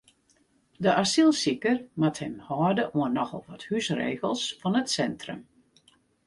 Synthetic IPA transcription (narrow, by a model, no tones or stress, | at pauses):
dəʔasilˠsikərmathɛmhɔːdəʔuənːɔxɔ̰lˠʋɔthysrḛːɣəlˠsfɔnətsɛntrə̰m